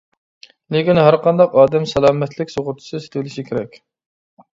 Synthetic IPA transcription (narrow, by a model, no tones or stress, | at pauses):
lɪkʲinɦæɾqʰɑnd̪ɑqɑːd̪ɛmsɛlˠɑːmɛt̪ʰlɪkʲsoʁʊɾt̪ʰʊ̥sɨse̥t̪ʰɪwɪlɪʃikʲʰeɾɛkʲ